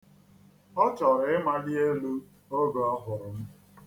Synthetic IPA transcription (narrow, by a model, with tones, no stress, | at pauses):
ɔ˦t͡ʃɔ˨ɾɪ˦ma˦dɪ˦e˦lu˦ | o˦ɡo˨ɔ˦ɦʊ˨ɾʊ˨m̩˦